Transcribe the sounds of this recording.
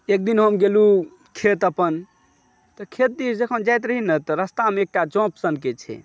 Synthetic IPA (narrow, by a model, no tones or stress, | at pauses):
ek̚d̪inɦəmɡelu | kʰet̪əpən | t̪ɔkʰet̪̚d̪isd͡ʒekʰənd͡ʒajt̪ɾəɦinət̪ɔɾəst̪ameek̚ʈad͡ʒɔ̃psənket͡ʃʰɛ̰